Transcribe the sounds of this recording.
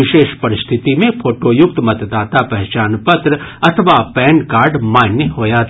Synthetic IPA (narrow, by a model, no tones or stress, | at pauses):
ɪʃeːʃpɐɾɪst̪ʰɪt̪imẽpʰoːʈojʊk̚t̪mɐt̪d̪aːt̪apɛɦt͡ʃaːnpɐt̪ɾəɐt̪ʰəʋapɛːɳɖkaːɾɖmaːnjəɦoːjat̪ʰː